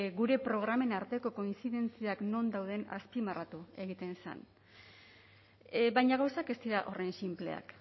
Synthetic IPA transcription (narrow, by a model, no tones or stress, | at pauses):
ɡuɾe̞pɾo̞ɣ̞ɾame̞naɾt̪e̞ko̞ko̞insiðe̞nt͡siakno̞nd̪awð̞e̞na̰spimarat̪ue̞ɣit̪e̞nsa̰n | bajɲaɣ̞awsake̞st̪iɾaʔo̞re̞nsimple̞̰a̰k